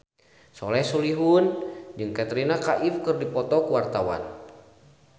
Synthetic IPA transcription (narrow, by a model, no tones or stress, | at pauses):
sɔ̰lɛsuliɦund͡ʒɨŋkat̪ɾinakaʔifkɨrdipɔt̪ɔkuwart̪awa̰n